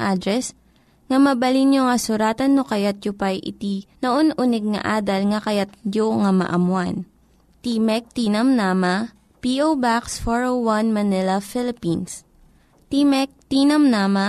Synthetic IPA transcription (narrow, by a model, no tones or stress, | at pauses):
ʔad̪ɾɛs | ŋɐmɐbɐlinjoŋɐsʊɾaːt̪ɐnːokɐjat̪̚jʊpajʔɪ̰t̪inoʔonʔunɛɡ̚ŋɐ̰ʔaːd̪ɐlŋɐkɐjat̪̚d͡ʒoŋɐmɐ̰ʔɐmwan | t̪imɛk̚t̪inɐmnamɐ | piʔowbaksfoɹowwanmɐnɪlɐfɪlɪpins | t̪imɛk̚t̪iːnɐmnaːmɐ